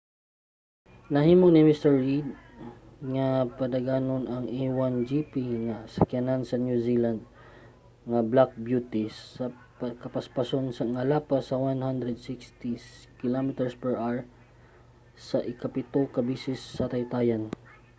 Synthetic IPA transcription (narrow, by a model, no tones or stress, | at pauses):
nɐhiːmoŋnɪmɪst̪ɛɹːid̪̚ | ŋapɐd̪aɡaːnonɐŋʔiwand͡ʒipiŋasɐkjanansɐnjusiland̪̚ | ŋɐblak̚bjut̪isɐ | pkɐpaspasonsɐŋɐlapasɐwanhand̪ɾɛd̪sɪkst̪ikɪlomɪt̪ɛɹspɛɹʔaɹ | sɐʔɪkɐpɪt̪okɐbiːsɪsːɐt̪ɐajt̪aːjan